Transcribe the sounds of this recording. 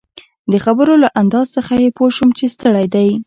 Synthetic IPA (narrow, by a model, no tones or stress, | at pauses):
d̪əxabəɾolaʔand̪ɑzsəxajepoʃumt͡ʃest̪əɽajd̪aj